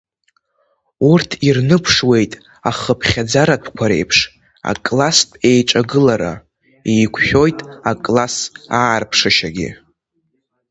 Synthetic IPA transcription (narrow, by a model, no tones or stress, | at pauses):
urtʰirnɨpʰʂwe̞jtʼ | aχəpʰχʲad͡zaɾatʰkʷʰaɾe̞̰jpʰʂ | a̰kʼlastʼe̞jʈ͡ʂʼaɡɨlaɾa̰ | ijkʷʰʃʲᶣo̞jtʼakʼlasaːrpʰʂɨʃaɡʲɪ̰